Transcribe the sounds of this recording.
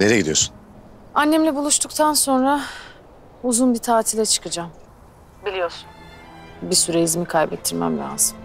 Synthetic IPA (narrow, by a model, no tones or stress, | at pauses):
neɾɛɟid̪ijo̞sun | anːɛmlʲɛbulˠuʃt̪ʰukt̪ʰanso̞nɾa | uzunbit̪ʰaːt̪ʰilʲɛt͡ʃʰɯ̥kɯd͡ʒam | bilʲijo̞ɾsu̥n | bisyɾeizmikʰajbɛt̪ʰːiɾmæ̰mlʲa̰zɯm